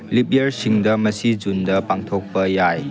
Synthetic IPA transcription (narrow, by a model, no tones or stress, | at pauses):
lip̚iɐɾsiŋdɐmɐsid͡ʒundɐpaŋtʰok̚pɐjaj